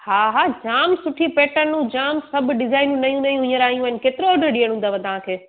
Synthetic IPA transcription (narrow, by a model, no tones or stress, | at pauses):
haːɦaːd͡ʑaːmsʊʈʰipeːʈəɾnũd͡ʑaːmsɐbʱɖɪzaːɪnũnɐijũnɐijũɦʊ̃ɲəɾaːɦijũənɪkeːt̪ɪɾoːɖəɾɗĩːəɽ̃ũːnd̪aʋɐ̃t̪ɐʋ̤ãkʰeː